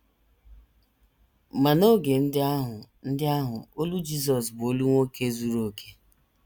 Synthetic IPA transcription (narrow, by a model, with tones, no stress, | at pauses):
ma˨no˦ɡe˨n̩˦dɪ˦a˦ɦʊ˨n̩˦dɪ˦a˦ɦʊ˨o˦lu˦d͡ʒi˦s̬ɔ˨sbo˦lu˦ŋʷo˦ke˦zu˦ɾo˨kʰe̥˦